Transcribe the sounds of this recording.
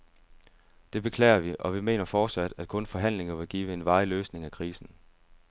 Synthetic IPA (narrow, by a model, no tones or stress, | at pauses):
d̥e̝b̥e̝kʰlɛ̰ːɪɐʋiʔɒ̽ʋime̝̰ːnɐfɒːd̥sæd̥æd̥̚kʰɔ̽nfɒ̽ɦæn̰le̝ŋɐʋe̝ɡ̥iːʋəe̝nʋɑ̈ɪløːsne̝ŋækʰʁiːsn̩